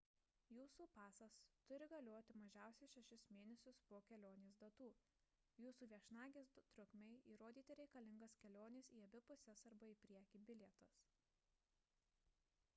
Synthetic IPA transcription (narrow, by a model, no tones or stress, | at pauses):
juːsuːpɑːsɐst̪ʊɾʲɪɡɐlʲoːt̪ʲɪmɐʒʲæˑʊsʲɛʃʲɛʃʲɪsmʲeːnʲɛsʲʊspoːkʲɛlʲoːnʲeːs̬d̪ɐt̪uː | juːsuːʋʲiɛʃnɑːɡʲeːs̬t̪ɾʊkmʲɛɪiːɾoːd̪ʲiːt̪ʲɪɾʲɛɪkɐlʲɪŋɡɐskʲɛlʲoːnʲɪsiːɐbʲɪpʊsʲɛsɐɾbɐiːpʲɾʲiɛkʲiːbʲɪlʲɛt̪ɐs